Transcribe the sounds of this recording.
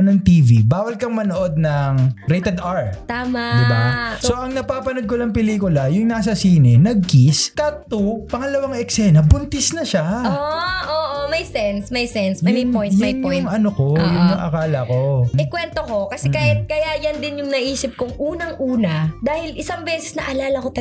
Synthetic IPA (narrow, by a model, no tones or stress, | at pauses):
nɐŋt̪iːvḭbaːwɐlkɐŋmɐnoʔod̪̚nɐŋɾejt̪ɛd̪aɹt̪aːmad̪ɪbasoʔɐŋnɐpaːpɐnod̪̚konɐŋpɛliːkʊlɐjʊŋnaːs̬ɐsiːnɪnɐɡ̚kiskɐt̪upɐŋɐlɐwaŋɛksɛnɐbʊnt̪ɪsnɐʃaʔoʔoːʔomɐjsɛnsmɐjsɛnsjʊɐjpojjmɐʊjŋjjŋɐnokojʊŋnɐʔɐ̰kaːlɐko̞ɪkwɛnt̪oko̞kɐsɛkahɪt̪̚kɐjajɐnd̪ɪnjʊŋnɐʔiːsɪp̚koŋʔuːnɐŋʔuːnɐd̪aːhɪlʔɪsɐŋbɛːsɛ̥snɐʔɐlaːlɐkot̪